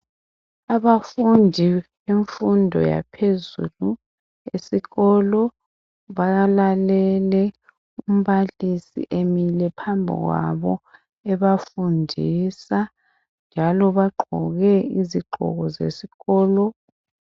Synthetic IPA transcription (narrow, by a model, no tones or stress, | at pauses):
aβafundʱiβeɱfundʱɔ̰ja̰pʰezṵlu | esiɣɔlɔ | βaɣalalɛlɛ | um̩βalisḭʔemilɛpʰambʱḭɣwa̰βɔ | ɛβafundʱisa | nd͡ʒʱalɔβaɡ͡ǃʱɔɣɛiziɡ͡ǃʱɔ̰ɣɔzḛsiɣɔːlɔ